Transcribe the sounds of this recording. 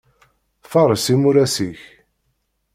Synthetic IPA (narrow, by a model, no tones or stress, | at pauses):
fɑɾˤəsimʊɾæsiç